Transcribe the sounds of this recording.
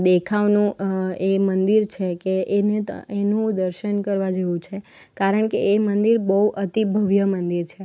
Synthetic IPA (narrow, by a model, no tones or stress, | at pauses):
d̪ekʰaʋnũemənd̪iɾt͡ʃʰekeʔːnet̪enũd̪əɾʃənkəɾʋad͡ʒeʋũt͡ʃʰe | kaɾəɳkeemənd̪iɾbəɦuʔət̪ibʱəʋjəmənd̪iɾt͡ʃʰe